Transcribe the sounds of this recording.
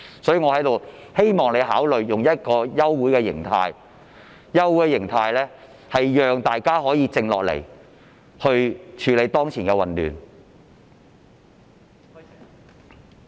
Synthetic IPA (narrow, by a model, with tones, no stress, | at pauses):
sɔː˨˥jyː˨ŋɔ˨˧hɐ˨˥jt̪o˨whe˥jmɔː˨ŋle˨˧jɦaː˨˥wlɵ˨ɥjʊ˨ŋjɐ˥t̚kɔː˧jɐ˥wwuː˨˥jkɛː˧jɪ̰˨˩ŋt̪ʰaː˧j | jɐ˥wːu˨˥jɛ˧jɪ˨˩ŋt̪ʰaː˧jlɛː˥ | hɐ˨jjœː˨ŋt̪aː˨jkaː˥ɦɔː˨˥jiː˨˧t͡sɪ˧ŋlɔ̰ː˨k̚lḛ˨˩j | hɵ˧ɥt͡ʃʰyː˨˥le˨˧jt̪ɔː˥ŋt͡sʰiː˨˩nkɛ˧wɐ˨nlyː˨˩n